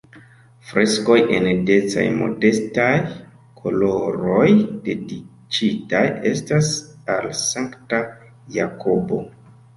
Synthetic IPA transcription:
fɾʔe̞sko̞jʔe̞̰nde̞t͡sa̰jmo̞̰de̞staj | kʰo̞lo̞ɾo̞jd̥e̞di | t͡ʃitaje̞stasalsaŋkta | jakʰo̞bo̞

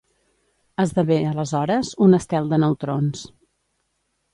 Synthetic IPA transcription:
əzðəβeələzɔɾəzunəst̪ɛlˠd̪ənəwt̪ɾons

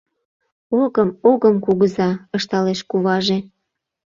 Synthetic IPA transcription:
oɣəmoɣəmkuɣəzɑəʃt̪ɑleʃkuβɑʒe

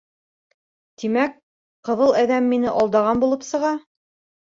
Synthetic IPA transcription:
t̪imæk̚ | qɤ̆ðɤlˠæðæmːinɘʔɒlˠd̪ɑʁɑnbulˠɤpsɤ̆ʁɑ

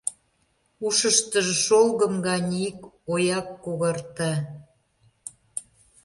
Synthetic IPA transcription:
uʃəʃt̪əʒʃolˠɣə̆mɡɑnʲik | ojɑkːoɣərt̪ɑ

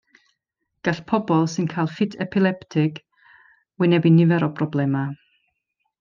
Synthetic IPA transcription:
ɡ̥aɬpʰɔbɔlˠsɨnkʰajlˠfɪtʰɛpʰɪlˠɛptʰɪk | wɪnɛbinɪvɛɾɔpʰrɔblˠɛma

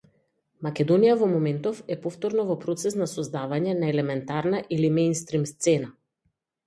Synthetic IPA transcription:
makɛd̪ɔnijavɔmɔmɛnt̪ɔfɛpɔft̪ɔɾnɔvɔpɾɔt̪sɛsnasɔzd̪avaɲɛnaɛlɛmɛnt̪aɾnaʔilimɛjnst̪ɾimst̪sɛna

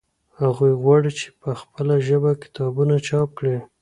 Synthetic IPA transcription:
haɣujɣwɑɽit͡ʃe̥pəxpəlaʒəbakɪ̥t̪ɑbunat͡ʃɑp̚kɽe

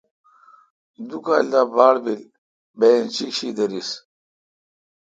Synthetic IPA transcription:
d̪ukald̪aːbaːɽbil | bent͡ɕikɕid̪ɐɾis

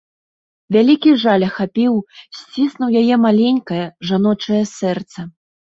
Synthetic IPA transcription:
vʲalʲikʲiʐalʲɐxapʲiwsʲt͡sʲisnuwjajɛmalʲenʲkɐjɐʐanɔt͡ʂɐjɐsɛrt̪sɐ

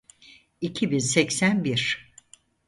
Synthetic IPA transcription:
icʰibinsɛcsænbiɾ̥

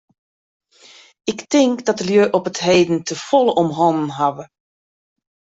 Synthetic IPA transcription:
ɪktɪŋkdɔt̚dəljøʔɔpətɦeːdən̩təfɔlˠəʔɔmɦɔnənɦaʋə

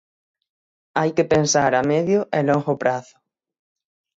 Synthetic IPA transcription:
ajkɪpensaɾamɛðjʊʔɛloŋxʊpɾaθʊ̥

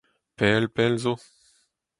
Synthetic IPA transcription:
pɛːlpɛlzo

